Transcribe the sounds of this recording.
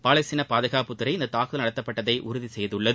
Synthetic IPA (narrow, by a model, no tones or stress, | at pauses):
paːɭɐɪsɪnɐpaːðɐɣaːpɯt̪ːɯɾɐɪɪnd̪ɐt̪ːaːkɯðɐlnɐɽɐt̪ːɐpːɐʈːɐðɐɪʔʊ̰ɾʊðisɛjðɯɭːɐðɯ